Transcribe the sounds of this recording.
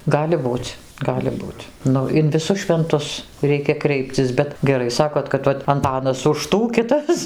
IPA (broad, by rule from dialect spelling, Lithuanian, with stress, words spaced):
ˈɡɑːlʲɪ ˈbuːt͡sʲ ˈɡɑːlʲɪ ˈbuːtʲ ˈnʊ ɪn ʋʲɪˈsʊs ʃʲʋʲɛnˈtʊs ˈrʲɛɪkʲɛ ˈkrʲɛɪpʲt͡sʲɪs ˈbʲɛt ɡʲɛˈrɐɪ ˈsɑːkoːt kɐt ˈʋɐt ɐnˈtɑːnɐs ʊʃ ˈtuː ˈkʲɪtɐs